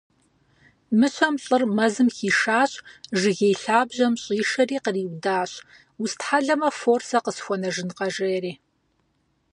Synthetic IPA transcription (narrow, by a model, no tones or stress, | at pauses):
mɨɕʷɐmɬʼɨrmɐzɨmxiːʂaːɕʼʒɨɣʲejɬaːbʑɐmɕʼiːʂɐriːqəriːwʷdaːɕ | wʊstħaɮɐmɐfoːrsɐqəsxʷɔnɐʒɨnqɐʒejɛɾiː